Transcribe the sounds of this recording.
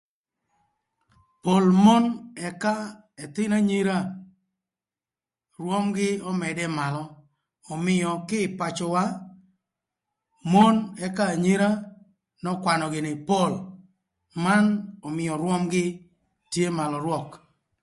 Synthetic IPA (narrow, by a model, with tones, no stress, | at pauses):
po˨lmo˦nɛ˨ka˦ | ɛ˨t̪ɪ˦na˦ɲi˦ɾa˦ | rwɔ˦mɡɪ˦ɔ˦mɛ˨dɛ˦ma˨lɔː˨ | mɪ˦jɔ˨kɪ˦˨pa˨t͡ʃɔ˨wa˦ | mo˦nɛ˦ka˦˨ɲi˦ɾa˦ | nɔ˦kwa˨nɔ˨ɡɪ˨nɪ˨po˦˨l | ma˦nɔ˨mɪ˨jɔ˨ɾwɔ˦mɡɪ˦ | tje˦ma˨lɔ˨ɾwɔ˦˨k